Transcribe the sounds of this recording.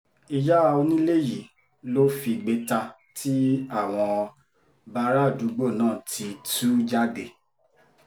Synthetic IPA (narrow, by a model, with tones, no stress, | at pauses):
i˧d͡ʒa˦˧o˧nĩ˦le˦˨ji˨ | lo˦fi˧ɡ͡be˧ta˧ | tʰi˦a˦˨w̃ɔ̃˧ | ba˧˦ɾa˦˨du˨˦ɡ͡bo˦˨nãː˦˨tʰi˧tu˦d͡ʒa˦ɡe˧˨